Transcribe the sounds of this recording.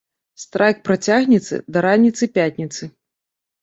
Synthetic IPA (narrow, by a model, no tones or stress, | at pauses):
st̪ɾʔajk̚pɾat͡sʲaɣnʲit̪sɨ̰d̪ɐɾanʲːit̪sɨpʲatʲnʲit̪sɨ